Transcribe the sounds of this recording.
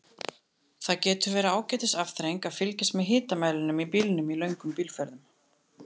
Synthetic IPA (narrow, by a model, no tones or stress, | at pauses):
θacɛːt̪ʏɾvɛːɾɪaːwcɛːt̪ɪsafθɾejŋkaðfɪlcɪst̪mɛðɦɪːt̪amaːjlɪnʏmipiːlɪnʏmilœɥŋkʏmpiːlfœɾðʏm